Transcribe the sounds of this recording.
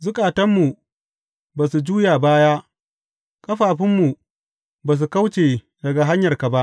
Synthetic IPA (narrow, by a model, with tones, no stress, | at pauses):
zʊ˦kʼaː˨tɐ˦mːu˨ | baː˨s̬u˨d͡ʒuː˦jaː˨baː˦jaː˦ | kʼɐ˦ɸaː˨ɸɪ˦mːu˨ | baː˨s̬u˨ka˦wt͡ʃeː˨ | dɐ˨ɡa˨ɦa˦ɲjɐ˨rka˨ba˦ʔ